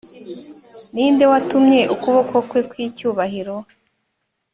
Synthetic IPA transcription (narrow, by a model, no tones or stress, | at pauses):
niːnde̞watumɲe̞ʔukuβo̞kwo̞kwe̞kwiːcuːβaɦiɾo̞